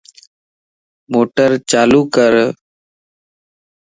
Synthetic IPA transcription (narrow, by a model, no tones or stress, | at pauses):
moːʈəɾt͡ʃaːluːkəɾ